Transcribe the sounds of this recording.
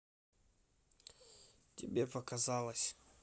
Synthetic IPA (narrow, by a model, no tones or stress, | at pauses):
tʲɪbʲepəkazalˠəsʲ